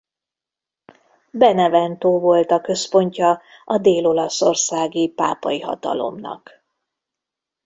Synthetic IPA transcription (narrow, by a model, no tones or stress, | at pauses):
bɛnɛvɛnt̪oːvo̞lt̪ɒkø̞spo̞ɲcɒ | ɒd̪eːlo̞lɒso̞rsaːɡipa̰ːpɒjiɦɒ̰t̪ɒ̰lo̞̰mnɒ̰k